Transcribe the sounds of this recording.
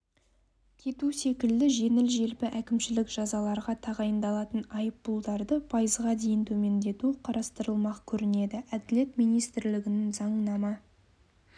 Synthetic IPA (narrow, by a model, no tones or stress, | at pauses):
kʲʰe̞t̪use̞kʲɪld̪ɪʒe̞nɪlʒe̞lpɪʔækʲɪmʃɪlɪkʒɑzɑlˠɑɾʁɑt̪ʰɑʁɑjənd̪ɑlˠɑt̪ənɑjəp̚bulˠd̪ɑɾd̪əpʰɑjəzʁɑd̪e̞jɪnt̪ʰɵme̞nd̪e̞t̪uqʰɑɾɑst̪əɾəlˠmɑqkʲʰɵɾɪne̞d̪ɪæd̪ɪle̞t̪mijnijst̪ɪɾlɪɡʲɪnɪŋzɑɴənɑmɑ